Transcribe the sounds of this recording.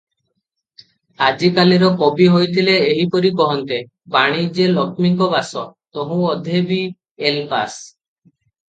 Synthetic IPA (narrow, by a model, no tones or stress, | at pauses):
ad͡ʒikaliɾɔkɔbiɦojt̪ʰileːɦipɔɾikɔɦɔnt̪e | baɽ̃id͡ʒelɔkmiŋkɔbasɔt̪ɔɦũɔd̪ʱebi | elpa̰s